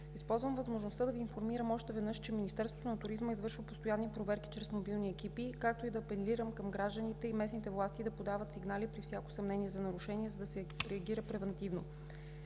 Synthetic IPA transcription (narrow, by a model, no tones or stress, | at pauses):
ispɔlˠzvəmvəzmoʒnost̪ad̪ɐviːnfoɾmiɾəmɔʃt̪ɛvɛd̪nɤʃt͡ʃɛminist̪ɛɾsvo̥t̪onɐt̪uɾizməizvɤɾʃvəpost̪ojanːipɾovɛɾki̥t͡ʃɾɛsmobilˠniɛkipikak̚t̪oid̪ɐpɛnliɾəmkɤmɡɾaʒd̪ənit̪ɛimɛsnit̪ɛvlˠast̪id̪ɐpod̪avət̪siɡnalipɾifsjako̥sɐmnɛniɛzɐnɐɾuʃɛniɛzɐd̪ɐsɛɾɛɐɡiɾəpɾɛvɛnt̪ivno